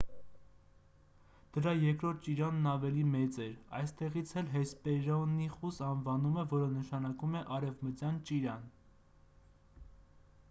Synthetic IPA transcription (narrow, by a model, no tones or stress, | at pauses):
d̪̥əɾɑjɛɾkɾɔɾt̪̚ʰt͡ʃiɾɑnːɑvɛlimɛt͡sɛɾɑ̰jst̪ɛʁit͡sʰhɛlɦɛspɛɾɔnːiχusɑnvɑnumɛvɔɾənəʃɑnɑkumɛʔɑɾɛvmət͡sjɑnt͡ʃiɾɑn